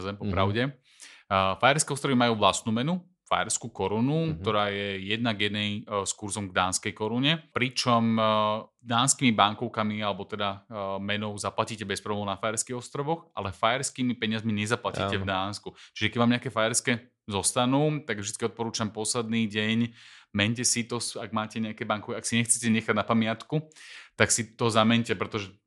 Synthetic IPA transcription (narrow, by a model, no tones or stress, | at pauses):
zɛmpɔpɾaʊɟɛ | fajɛɾskɛːɔst̪ɾɔʋimajuːʋlast̪nuːmɛnu | fa̰jɛɾskukɔɾunuk̚t̪ɔɾaːjɛjɛd̪naɡjɛd̪nɛjskuɾzɔmɡd̪aːnskɛjkɔɾuɲɛpɾit͡ʃɔm | d̪aːnskiːmibaŋkɔʊkamialɛbɔt̪ɛd̪amɛnɔʊzaplaciːcɛbɛspɾɔɔnafajɛɾskiɣɔst̪ɾɔʋɔxʔa̰lɛfajɛɾskiːmipɛɲɪazmiɲɛzaplaciːtɛvd̪aːnskut͡ʃiʒɛkɟʋaːmɲɛakɛːfajɛɾskɛː | zɔst̪anuːt̪aɡvʒd̪i̥tt͡skiɔt̪̚pɔɾuːt͡ʃampɔslɛd̪niːɟɛɲmɛɲcɛsit̪ɔsaɡmaːcɛɲɛakɛbaŋkɔkɛaksiɲɛxt͡sɛcɛɲɛxaɟnapamɪat̪kut̪aksit̪ɔzamɛɲcɛpɾɛt̪ɔʒɛ